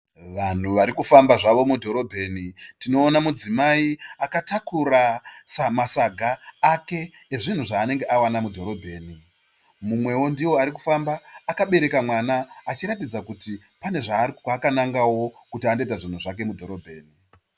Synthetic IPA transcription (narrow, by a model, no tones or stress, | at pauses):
ʋan̤uʋaɾikufambaʐaʋo̞mudʱo̞ɾo̞bʱe̞ːnitino̞ːnamud͡zimaiakatakuɾasamasaɡʱaːke̞ː | ʐin̤uʐaːne̞ŋɡe̞ʔawanamudʱo̞ɾo̞bʱe̞ːni | mumwe̞wo̞ndiwo̞aɾik̬ufambaːkaɓe̞ɾe̞kamwanaːt͡ʃiɾatid͡zakuti | pane̞ʐaːakanaŋɡawo̞kutiande̞t̬aʐin̤uʐak̬e̞mudʱo̞ɾo̞bʱe̞ːni